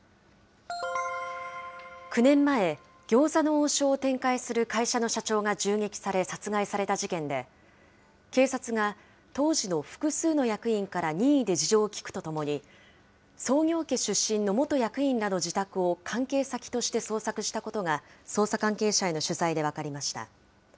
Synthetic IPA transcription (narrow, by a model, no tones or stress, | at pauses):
kɯ̟nẽ̞mːae̞ | ɡ̥ʲo̞ːsano̞oːɕo̞ːt̪ẽ̞ŋkaisɨɾɯ̟kaiɕano̞ɕat͡ɕo̞ːŋad͡ʑɨːŋe̞kʲi̥saɾe̞sat͡sɨɡaisaɾe̞t̪aʑikẽ̞nd̪e̞ | ke̞ːsat͡sɨɡa | t̪o̞ːʑino̞ɸɯ̟̥kɯ̟sɨːno̞jakɯ̟ĩŋkaɾaɲ̟iːid̪e̞d͡ʑiʑo̞ːkʲi̥kɯ̟̥t̪o̞t̪o̞mo̞ɲ̟i | so̞ːŋʲo̞ːke̞ɕɨɕːĩnːo̞mo̞t̪o̞jakɯ̟ĩnːad̪o̞d͡ʑit̪akɯ̟o̞kʰãŋke̞ːsakʲi̥t̪o̞ɕi̥t̪e̞so̞ːsakɯ̟ɕi̥t̪ako̞t̪o̞ŋaso̞ːsakãŋke̞ːɕae̞no̞ɕɨzaid̪e̞βakaɾʲimaɕi̥t̪a̰